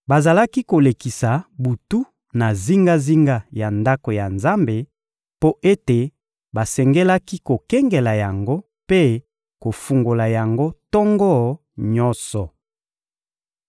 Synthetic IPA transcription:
ba˨za˨la˦ki˦ko˨le˨ki˨sa˨bu˨tu˦ | na˨zi˦ŋɡa˦zi˦ŋɡa˦ja˨nda˦ko˨ja˨nza˦mbe˨ | po˦ʔe˦te˨ | ba˨sɛ˨ŋɡɛ˦la˦ki˦ko˨kɛ˦ŋɡɛ˨la˨ja˨ŋɡo˦ | pe˦ | ko˨fu˨ŋɡo˨la˨ja˨ŋɡo˦tɔ˦ŋɡɔ˦˨ | ɲɔ˦nsɔ˨

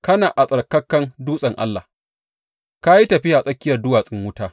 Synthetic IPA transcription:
kɐ˦naː˨ʔa˨sʼɐ˨rkɐ˦kːɐ˦nduː˦sʼɐ˨ŋʔa̰˦lːa̰˨ | ka˦ji˦tɐ˨ɸɪ˦ja˨sʼɐ˦kʲːɪ˦jɐ˨rdʊ˦waː˨sʼɪ˦ŋwʊ˦taː˦

